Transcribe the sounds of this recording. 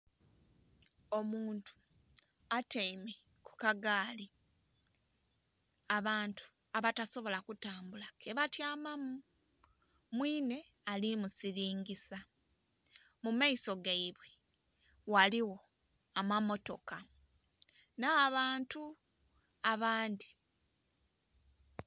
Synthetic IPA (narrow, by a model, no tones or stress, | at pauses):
o̞muːntu̥ | ateime | ku̥kaɡaːli | aβaːntu̥ | aβataso̞βo̞lakutaːmbulakʰeβatjaːmamu | mwiːne̞alimusiɾiːŋɡisa | mumaiso̞ɡaiβwe | waliwo̞ | amamo̞to̞ka | naːβaːntu | aβaːndi